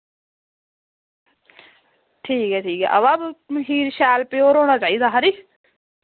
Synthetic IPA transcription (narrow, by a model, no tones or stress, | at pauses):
ʈʰiːkɛːʈʰiːkɛ̰ʔɐ̰ʋaːbɦiːɾʃaːlpeoːɾoːɽ̃at͡ʃaːid̪aːɦaɾiː